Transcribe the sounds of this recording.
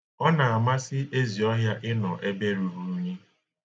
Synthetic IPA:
ɔ˦na˨a˨ma˦sɪ˦ʔe˦zi˨ɔ˦ɦja˦ʔɪ˦nɔ˨ʔe˦be˦ɾu˨ɾu˨˦ɲe˦

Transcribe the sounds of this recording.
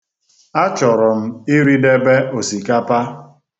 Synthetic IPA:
a˦t͡ʃɔ˨ɾɔ˨m̩˦ɪ˦ɾi˦de˦be˦o˨si˨ka˦pa˦

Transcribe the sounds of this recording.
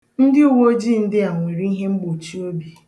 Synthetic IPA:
n̩˦dɪ˦u˦˨wo˦o˦d͡ʒi˦˨n̩˦dɪ˦a˨ŋʷe˨ɾi˦i˦ɦe˦ŋ͡m̩˦ɡ͡bo˨t͡ʃi˦o˦bi˦

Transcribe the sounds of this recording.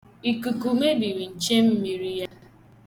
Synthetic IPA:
i˨ku˨ku˨me˦bi˨ɾi˨n̩˨t͡ʃe˦m̩˦mi˨ɾi˦ja˦

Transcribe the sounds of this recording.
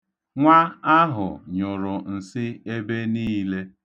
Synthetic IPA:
ŋʷa˦a˦ɦʊ̰˨ɲʊ˨ɾʊ˨n̩˨sɪ˦e˦be˦niː˦le˦

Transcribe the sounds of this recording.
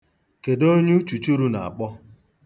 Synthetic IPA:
ke˨do˦ɲu˦t͡ʃu˨t͡ʃu˦ɾu˦na˨a̰˨k͡pɔ˦

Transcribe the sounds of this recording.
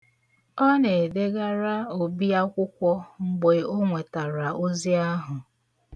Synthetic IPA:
ɔ˦ne˨de˦ɡa˦ɾa˦o˨bi˦a˦kʷʊ˦kʷɔ˦ŋ͡m̩˦ɡ͡be˨˦o˦ŋʷe˨ta˨ɾa˨ʔo˦zi˦a˦ɦʊ˨

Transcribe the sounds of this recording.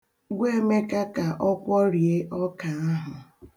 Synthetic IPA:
ɡʷe˦me˦ka˦ka˨ʔɔ˦kʷɔ˦ɾi˨e˦ʔɔ˦ka˨a˦ɦʊ˨

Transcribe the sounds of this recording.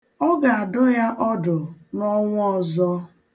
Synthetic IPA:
ɔ˦ɡa˨a˨dʊ˦ja˦ʔɔ˦dʊ˨nɔ˦ŋʷʊ˦ɔ˨zɔ˦

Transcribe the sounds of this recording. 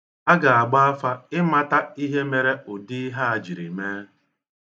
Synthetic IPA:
a˦ɡa˨a˨ɡ͡ba˦a˦fa˦ɪ˦ma˦ta˦i˦ɦe˦me˨ɾe˦ʊ˨di˦ɦa˦a˨d͡ʒi˨ɾi˨meː˦

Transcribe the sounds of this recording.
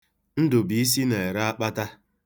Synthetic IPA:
n̩˦dʊ˨bi˨i˦s̬i˦ne˨ɾa˦a˦k͡pa˦ta˦

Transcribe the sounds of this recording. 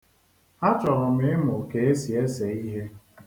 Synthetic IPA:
a˦t͡ʃɔ˨ɾʊ˨mɪ˦ɪ˦mʊ˨ke˨e˦si˨e˦se˨i˦ɦe˦

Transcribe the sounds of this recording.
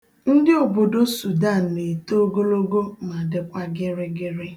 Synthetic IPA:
n̩˦dɪ˦o˨bo˨do˦su˨da˦˨n̩˨ne˨to˦o˦ɡo˦lo˦ɡo˦ma˨dɪ˦kʷa˦ɡɪ˦ɾɪ˦ɡɪ˦ɾɪ˦

